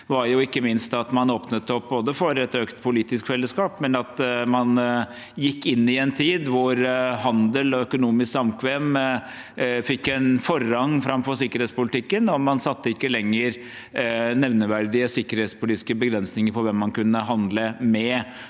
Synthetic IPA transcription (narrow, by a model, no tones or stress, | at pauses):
ʋɑɾjʊɪkːəmɪnst̪ɑt̪mɑnoːpnət̪ɔp̚boːd̪əfɔɾɛt̪øːkt̪pʰʊliːt̪ɪskfɛlːəskɑːpmɛnɑt̪mɑn | jɪkːɪnːɪɛnt̪ʰiːd̪ʋʊɾhɑnd̪əlɔœkʊnuːmɪsksɑmkʰʋeːm | fɪkːɛnfɔɾɑŋːfɾɑmfɔɾsɪkːəɾeːt̪spʊlɪt̪ʰɪkːənɔmɑnsɑt̪ːəɪkːəlɛŋːəɾ | nɛʋnəʋæɾd̪ɪəsɪkːəɾheːt̪spʊliːt̪ɪskəbəɡɾɛnsnɪŋəɾpʰɔʋɛmːɑnkʉnːəɦɑnd̪ləmɛ